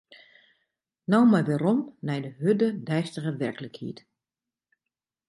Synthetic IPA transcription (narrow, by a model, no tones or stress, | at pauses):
nɔwmɛjʋeɾɔmnɛjdəhødədɛjstəɣəʋɛrkələkhḭət